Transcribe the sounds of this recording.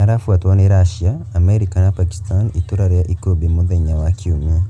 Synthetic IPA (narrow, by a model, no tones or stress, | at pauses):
aɾafwatwaneɾaʃiaːmeɾikanapaki̥stanituɾaɾjaʔikobimuðeɲawakʰiuɲa